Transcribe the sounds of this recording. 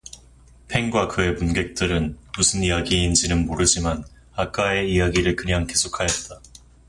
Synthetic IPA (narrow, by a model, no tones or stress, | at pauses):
pʰe̞ŋɡwakɯe̞punɡe̞k̚t͈ɯɾɯnmusʰɯnijaɡiːnd͡ʑinɯnmoɾɯd͡ʑiman | ak͈ae̞ijaɡiɾɯɭkɯɲaŋke̞sʰokʰajʌt̚t͈a